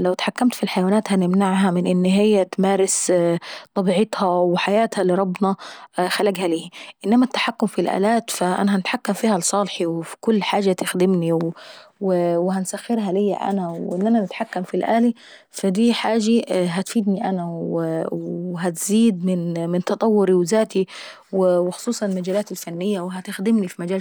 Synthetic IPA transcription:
lawt̪ħakːamt̪filħajawaːnaːt̪hanɪmnaʕɦamɪnʔɪnːɦɪjːat̪maːɾɪs | t̪ˤɑbiːʕɪt̪hawɪħajaːt̪halɪɾˤɑbːnɑxalaːɡhaliːhiʔɪnːamat̪ːaħakːʊmfilʔa̰ːlaːt̪faʔa̰naɦanɪt̪ħakːamfiːhalsˤɑːlħiwɪfi̥kʊlːħaːʒat̪ɪxd̪ɪmniwwɪwɪhansaxːɪɾɦalɪjːa̰ʔa̰nawʔɪnːʔananɪt̪ħakːamfilʔaːli | fad̪iːħaːʒaɦat̪fiːd̪niʔanawwɦat̪ziːd̪mɪnmɪnt̪ɑt̪ˤɑwːʊɾiwɪzaːt̪i | wɪwɪxʊ̥sˤuːsˤɑnɪlmad͡ʒaːlaːt̪alfanːɪjːawɪɦat̪ɪxd̪ɪmnifimad͡ʒaːl

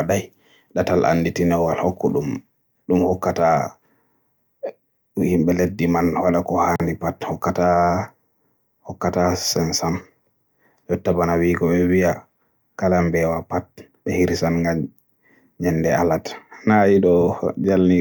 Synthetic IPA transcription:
aɗaj | ɗatalʔa̰nːditinɛwalhɔkːɔɗum | ɗumhɔkːata | himɓɛledːimanwaɗakɔhandipathɔkːata | hɔkːatasɛnsam | jɔtːabanawikɔɓɛwia | kalambɛwapat̚ | ɓɛhiɾisanŋɡaɲ | ɲɛnːdɛalatnajiɗɔd͡ʒalni

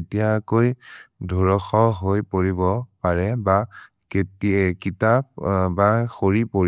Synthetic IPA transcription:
etijakojdʱuɹɔxɔɦojpoɹibɔpaɹɛba | ketkitap̚baxoɹipoɹ

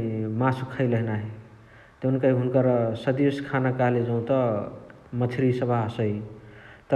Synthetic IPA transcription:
masukʰəjləɦnaɦe | t̪unkəiɦunkəɾsəd̪iskʰanakaɦled͡ʒəũt̪ʌ | mət̪ʰiɾisəbʱasəjt̪

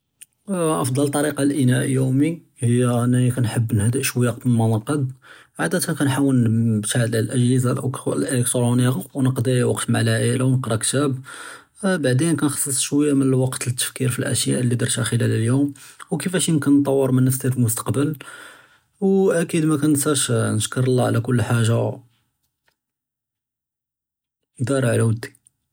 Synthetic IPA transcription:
ʔɑfd̪ˤɑlt̪ˤːɑɾiqɑlʔənæʔjumi | həjːæænːæikænħəbːnhæd̪əʔʃwjɑq̚bəlmɑnɑqɑd̪̚ʕad̪æt̪hækænħawːənbt̪aʕd̪llʔəʒhəzalʔʔəlek̚t̪ɾˤuniwnəqd̪iwɑqt̪maʕlæʕəlawnəqɾˤɑkt̪æb | baʕd̪enkænxɑ̥sˤːəsˤʃwəjːamənəlwɑqt̪t̪ːə̥fkiɾfilʔæ̰ʃjaʔlːid̪ɑɾˤʃaxəlælljumwkəfæʃijəmkənt̪ˤɑwːəɾˤmənːəfst̪ifəlmʊst̪ɑ̥qbəl | wʔækid̪mækænsæʃnəʃkəɾˤlːɑʕlækʊlːħaʒa | əd̪ɑɾˤɑʕlæwəd̪ːi̥

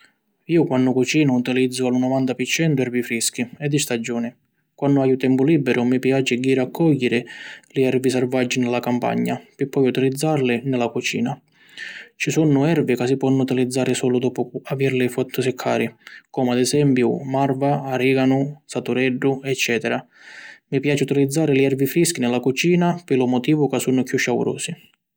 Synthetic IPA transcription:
iːʊkwanːʊkut͡ʃiːnaut̪ilid̪zːʊalunɔvant̪apɪt͡ʃːɛnt̪ʊɛɾvifɾisk̟iɛd̪ːist̪ad͡ʒːɔːnɪ | kwanːʊajut̪ɛmpʊliːbːɛɾʊmipjaːt͡ʃɪɡiːɾakʰːɔʎːɪɾɪlɪɛɾvisaɾvad͡ʒːinɪlːakampa̰ɲːapɪpːɔjut̪ilid̪zːaɾlɪnɪlakut͡ʃḭːna | t͡ʃisunːʊɛrvɪkas̬ːipwɔnːʊut̪ilid̪zːaːɾɪsɔːlʊd̪ɔːpʊaviɾlɪfɔt̪ʰːʊsɪkʰːa̰ːɾɪkɔːmʊad̪ɛsɛmpjʊmarvaːɾiɡanʊsat̪uɾɛɖːʊɛt͡ʃːɛːt̪ɛɾa | mipjaːt͡ʃɪut̪ilid̪zːaːɾɪlɪɛrvifɾisk̟inɪlːakut͡ʃiːnapɪlʊmɔt̪iːvʊkasːunʊkjuʃːaṵɾɔ̰ːsi

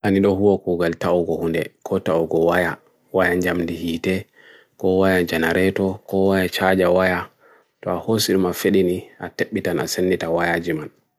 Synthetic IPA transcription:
ʔaniɗɔɦuwakuːɡaltaɔɡɔhundɛ̰kʰɔtaɔɡɔwaja | wajaɲd͡ʒamdihiːtɛ | kɔwajad͡ʒanaɾɛtɔkɔwajat͡ʃad͡ʒawaja | tɔahosiɗmafeɗiniateɓːitanʔa̰senːitawajad͡ʒiman

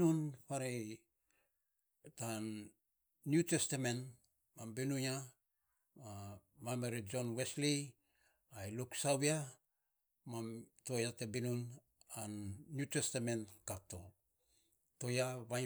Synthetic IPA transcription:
nunpaɾe | tanː | jutestame̞n | mambenuɲa | mamameɾed͡ʒo̞nwesli | ajluksawia | mamto̞jatebinun | anːjutestame̞nkatːo̞ | to̞jaβa

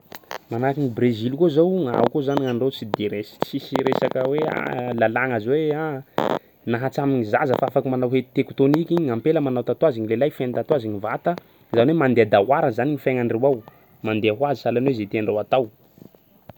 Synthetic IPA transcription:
manakiŋibrezilkozowŋa̰ukozaniŋaɳɖ͡ʐewt͡sid̪eɾessisiɾesakəwea̰lalaŋazwea | naɦat͡samiɲizazəfaafakumanawɦet̪t̪ekt̪onikʲiɲampeləmanawt̪at̪waziɲilelajfant̪at̪waziɲivat̪ə | zawnwemand̪ead̪aɦwaɾəzaniŋifajŋaɳɖ͡ʐewaw | mand̪eaɦwazisalanwezet̪eaɳɖ͡ʐawat̪aw

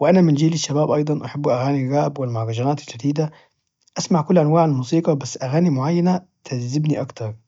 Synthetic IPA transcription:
wɪʔænæmɪnd͡ʒiːlɪʃːabaːbʔɑjd̪ˤɑnʔaħabːʔaɣaːnilɣæːbwɪlmaʕɣɑʒænæːt̪ɪld͡ʒad̪iːd̪a | ʔasmaʕkʊlːʔanwaːʕalmuːsiːqɑbæsːʔæɣaːnimʊʕajːanæ | t̪ʰazːɪbniʔɑkt̪ɑɾˤ

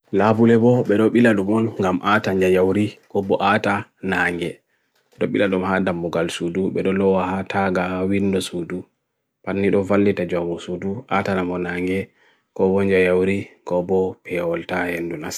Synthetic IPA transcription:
labulɛbɔɓɛɗɔɓiladumɔlŋɡamʔataɲd͡ʒajawɾikɔbɔʔatanaːŋɡɛ | ɛɗɔɓiladumhadamːuɡalsuduɓɛɗɔlɔwahatʰaɡawinːdɔsudu | panːiɗɔvalːitad͡ʒaɡusuduʔatanamɔnaːŋɡɛ | kɔbɔɲd͡ʒajawɾikɔbɔpʰɛwɔltahendunas

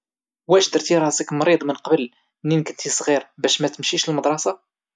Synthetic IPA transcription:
wæʃd̪əɾt̪iɾˤɑsikmɾid̪ˤmənqɑbəl | nːinkənt̪isˤʁiɾbæʃmæt̪əmʃiʃləlməd̪ˤɾˤɑsɑ

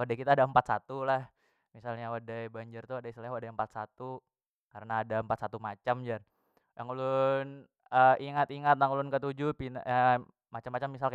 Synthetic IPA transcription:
wadajkit̪aːdaəmpat̪̚sat̪ulah | misalɲawadajbaɲd͡ʒərt̪uadaislaɲwadaəmpat̪̚sat̪u | kaɾənaːdaəmpat̪sat̪umat͡ʃamd͡ʒar | jaŋulʊn | əiŋat̪iŋat̪̚jaŋulʊnkət̪ud͡ʒupin̰a | mat͡ʃamːat͡ʃamːisalk

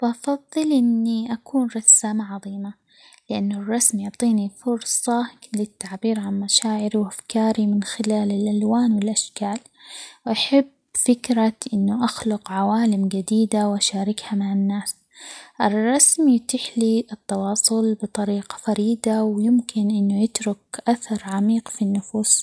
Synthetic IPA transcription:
faʔɑfɑðˤːɨlʔɪnːiʔakuːnɾˤɑsaːmaʕɑðˤiːma | lɪʔanːʊrˤːɑsmjʊʕt̪ˤiːnifʊɾsˤɑlɪt̪ːaʕbiːɾʕanmaʃaːʕɪɾiwʔafkaːɾimɪnxɪlaːlɪlʔalwaːnwɪlʔaʃkaːl | wʔaħab | fɪkɾaʔɪnːʊʔaxlʊqʕawaːlɪmɡad̪iːd̪awʔaʃaːɾɪkhamaʕanːaːs | ʔɪrˤːɑsmit̪ɪħliʔɨt̪ːɑwɑːsˤʊlbɨt̪ˤɑɾiːqɑ̥faɾiːd̪awjɪmkʰɪnʔɪnːʊjɪt̪ɾʊkʔaθɑɾˤʕamiːqfinːʊfuːs

